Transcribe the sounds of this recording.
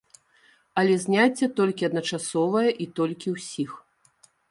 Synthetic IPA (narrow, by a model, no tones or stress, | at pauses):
ɐlʲɛzʲnʲat͡sʲːɛt̪ɔlʲkʲiɐd̪nɐt͡ʂasɔvɐjɐʔit̪ɔlʲkʲiwsʲix